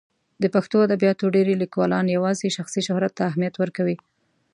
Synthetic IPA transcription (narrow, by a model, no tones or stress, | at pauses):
d̪əpaxt̪oad̪abjɑt̪oɖeɾelikwɑlɑnjawɑzeʃaxsiʃʊhɾat̪ːaːɦmijat̪wəɾkawi